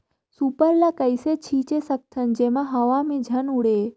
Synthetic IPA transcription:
supəɾlakəjset͡ɕʰiːt͡ɕesək̚t̪ʰənd͡ʑemaɦəʋamẽd͡ʑʱɐnuɽe

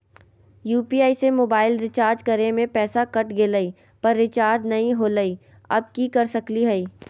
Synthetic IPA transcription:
juːpiaːisemoːbaːɪlɾɪt͡ʃaːɾd͡ʒkɐɾemẽpɛːsakɐʈɡeləiː | pɐɾːɪt͡ʃaːɾd͡ʒnɐɦĩɦoːləi | ɐ̰b̚kikɐɾsɐkliɦɛiː

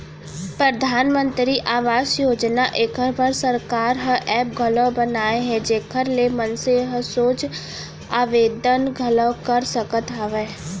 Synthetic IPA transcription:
pɾəd̪ʱaːnmə̃nt̪ɾiʔaːʋaːsjoːd͡ʒnaʔeːkʰəɾbʱəɾsəɾkaːɾɦə̃ʔɛːp̚ɡʱələbɐnaːeɦɛ̃d͡ʒeːkʰəɾlemənseɦə̃soːt͡ʃ | aːʋeːd̪ənɡʱələkəɾsəkət̪ɦaːʋɛː

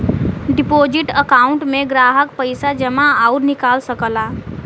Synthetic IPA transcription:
ɖɪpoːd͡ʒɪʈəkaːʊɳʈmẽɡɾaːɦək̚pəɪsad͡ʒəmaauɾnɪkaːlsəkəlaː

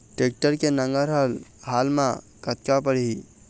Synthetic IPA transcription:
ʈek̚ʈəɾkenə̃ŋɡəɾɦalɦalmã | kət̪kapəɽii

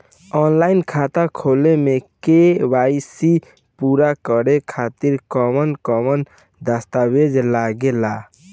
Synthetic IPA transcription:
ɔːnlaːɪnkʰaːt̪akʰoːlemekewaːɪsi | puːɾakəɾekʰaːt̪iɾkɔmənkɔmən | d̪əst̪awed͡ʒlaɡelaː

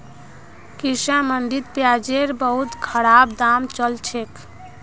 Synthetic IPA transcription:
kisãmənd̪id̪pjad͡ʒeɾbəɦut̪kʰəɽabd̪amt͡ʃəlt͡ʃʰek

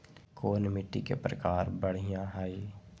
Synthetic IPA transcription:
koːnmɪʈːikḛpɾəkaːɾbəɽ̤ɪjãɦaːiː

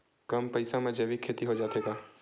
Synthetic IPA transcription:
kɐmpɐɪsamẽd͡ʒeʋikʰeːt̪iɦod͡ʒaːt̪eɡaː

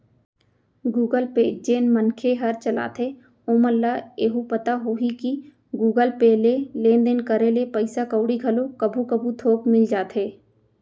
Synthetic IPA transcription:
ɡuːɡəlpeːd͡ʒeːnmənkʰeɦɐɾt͡ʃəla̰ːt̪ʰe | oːməlːaeːɦupət̪aɦoːɦiki | ɡuːɡəlpeːlelẽːnd̪enkəɾelepəɪsakəʊɽiɡʱɐlokəbʱukəbʱut̪ʰoːpmɪld͡ʒaːt̪ʰɦeː

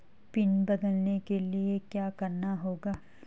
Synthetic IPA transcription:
pɪnbɐd̪əlnekeliekjaːkɐɾnaɦoːɡaː

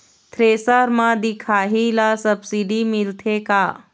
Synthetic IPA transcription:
t̪ʰɾeːsaɾmãd̪ikʰaːɦilasəbsiɖimɪlt̪ʰekaː

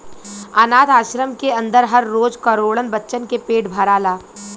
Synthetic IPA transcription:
anaːt̪aːʃɾəmkeɐ̃nd̪əɾɦɐɾːoːd͡ʒkəɾoːɽənbɐtːʃənkepeːʈbʱɐɾaːlaː

